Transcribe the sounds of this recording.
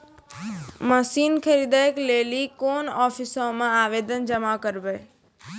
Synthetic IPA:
məsiːnkʰəɾid̪aːjkleːlikoːnɔːpʰɪsõːmãaːʋeːd̪ənd͡ʒəmakəɾbə

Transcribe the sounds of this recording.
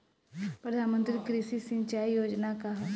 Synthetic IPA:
pɾəd̪ʱaːnmə̃nt̪ɾikɾiʃisɪ̃ɲt͡ʃaːijoːd͡ʒnakaɦ

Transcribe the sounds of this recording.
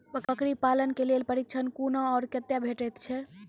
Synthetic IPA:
pəkəkɾipalənkelelpəɾik̚t͡ʃʰənkunaːɾkət̪jabʱeʈəjt̪t͡ʃʰɛ

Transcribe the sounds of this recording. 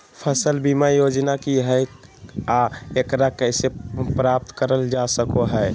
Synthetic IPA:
pʰəsəlbimajod͡ʒnakiɦɛ | aekɾakəɪsepɾap̚t̪kəɾəld͡ʒasəkoɦɛɪ

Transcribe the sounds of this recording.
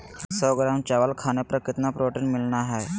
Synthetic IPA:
səɡɾamt͡ɕaʋalkʰanepɾəkit̪napɾoʈinmilɳaɦaj

